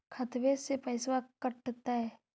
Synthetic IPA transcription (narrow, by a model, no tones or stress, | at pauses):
kʰɐt̪ʋesepɐːsʋakəʈːt̪aɦɛː